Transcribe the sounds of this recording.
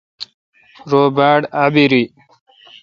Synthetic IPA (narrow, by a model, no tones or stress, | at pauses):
ɾoːbaːɽabiɾi